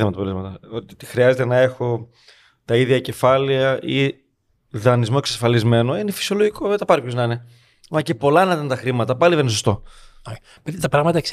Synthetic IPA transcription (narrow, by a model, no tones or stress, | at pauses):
emɐt̪ɐpolzmɐt̪ɐot̪it̪i̥xɾiɐze̞t̪e̞nɐe̞xo̞ | t̪ɐiðʝɐce̞fɐliɐʔi | ðɐnizmo̞e̞ksɐsfɐlizme̞no̞inefi̥sio̞lo̞ʝiko̞et̪ɐpɐɾipçonɐine | mɐce̞po̞lɐnɐt̪ɐnt̪ɐxɾimɐt̪ɐpɐliðenesost̪o̞o | pet̪it̪ɐpɾɐɣmɐt̪ɐeks